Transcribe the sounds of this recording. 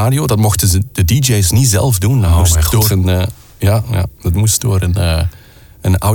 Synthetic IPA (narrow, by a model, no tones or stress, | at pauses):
aːdiodɑtmɔxtəzəd̥ədid͡ʒejsnizɛ̰lˠvdundɔmusdɔənː | jaja̰ːd̥ɑtmusdoːɾənə | əna